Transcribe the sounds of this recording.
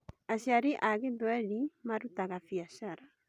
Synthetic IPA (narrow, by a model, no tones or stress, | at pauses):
aɕjaɾiʔaɣeðwɛlimaɾutaɣafiaʃaɾa